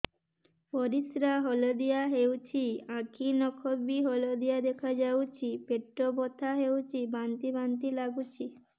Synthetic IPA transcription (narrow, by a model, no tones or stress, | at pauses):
poɾit̪ɾaɦolod̪ijaɦewt͡ɕʰiãkʰinɔkʰobiɦolod̪ijad̪ekʰad͡ʑawt͡ɕʰipeʈːobot̪ʰaɦewt͡ɕʰibant̪ibant̪ilaɡut͡ɕʰi